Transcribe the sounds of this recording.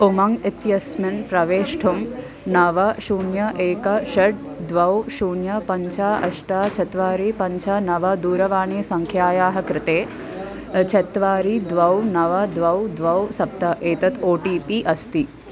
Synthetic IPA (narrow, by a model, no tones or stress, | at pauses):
umɐŋɡit̪jɐsmɐnpɾɐʋeːʂʈʰum | nɐʋɐʃuːɳjɐʔeːkɐʃɐɖ̚d̪ʋɐwʃuːɳjɐpɐɲt͡ʃʰaːʔɐ̰ʃʈaːt͡ʃʰɐt̪ʋaːɾipɐɲt͡ʃʰanɐʋɐd̪uːɾɐʋaːɳeːsɐŋkʰjaːjaːɦɐkɾɪt̪eː | t͡ʃʰɐt̪ʋaːɾid̪ʋɐwnɐʋɐd̪ʋɐwd̪ʋɐwsɐp̚t̪ɐʔeːt̪ɐt̪oːʈiːpiʔɐst̪i